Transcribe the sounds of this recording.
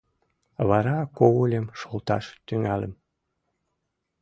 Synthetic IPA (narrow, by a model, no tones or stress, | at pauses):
βɑɾɑkowulʲemʃolt̪ɑ̰ʃt̪yŋɑlə̰m